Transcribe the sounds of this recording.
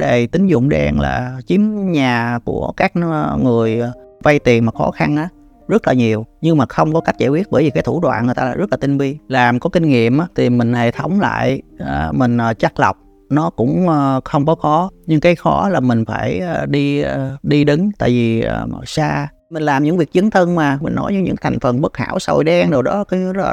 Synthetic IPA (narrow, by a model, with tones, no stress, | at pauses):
ɗə˨˩jt̪ï˨˦ŋ̟zʊ̰˧˨ŋ͡mɗɛ˨˩nla̰ː˨˩t͡ɕi˨˦əmɲaː˨˩ku˧˩əkaː˦˥k̚ŋɨ˨˩əjva˧jt̪i˨˩ənmaː˨˩xɔ̰˨˦xa˧nʔaː˨˦ | zə˦˥t̚laː˨˩ɲi˨˩əwɲɨ˧ŋmaː˨˩xə˧wŋ͡mkɔ˨˦ka˦˥jk̟̚za˧˩wi˦˥ət̚ɓəː˧˩jvi˨˩kaː˨˦t̪ʰu˧˩ɗwa̰ː˧˨nŋ˨˩ət̪a˧lːzə˦˥la˨˩t̪ï˧ŋ̟vi˧laː˨˩mkɔ˨˦kï˧ŋ̟ŋḭ˧˨əmʔaː˨˦t̪ʰi˨˩mï˨˩ŋ̟he˧˩t̪ʰə˨˦wŋ͡mla̰ː˧˨jə˨˩mï˨˩ŋ̟ʔəː˨˩t͡ɕa˦˥k̚lə˨˩wk͡p̚ | nɔ˨˦kʊ̰˧˥ŋ͡mə˧˩xə˧wŋ͡mkɔ˨˦kɔ˨˦ɲɨ˧ŋkaː˨˦jxɔ˧˨˦laː˨˩mï˨˩ŋ̟faː˧˩jə˨˩ɗi˧˨˩ɗi˧ɗɨ˨˦ŋt̪a̰ː˧˨jvi˨˩ə˧˩˨saː˧ | mï˨˩ŋ̟laː˨˩mɲɨ̰˧˥ŋvi˨˩ək̚t͡ɕɨ˨˦ənt̪ʰə˧ŋmaː˨˩mï˨˩ŋ̟nɔ˨˦jɲɨ̰˧˥ɲɨ̰˧˥ŋt̪ʰa˨˩jŋ̟fə˨˩nɓə˦˥k̚ha̰ː˧˩wsə̰˨˩jɗɛ˧ŋɗɨ˨˩wɗɔ˨˦kɔ˨˦˧ə̰˦˥˨